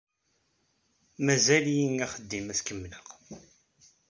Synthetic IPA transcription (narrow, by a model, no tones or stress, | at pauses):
mæzæljinæχəd̪ːimæθkəmːləʁ